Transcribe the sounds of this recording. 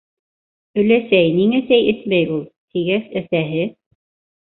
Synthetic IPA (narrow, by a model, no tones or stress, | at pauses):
ɵ̆læsæjniŋæ̆sæjʔɘ̆smæjulˠt̪ʰiɡæsɘ̆θæɦɘ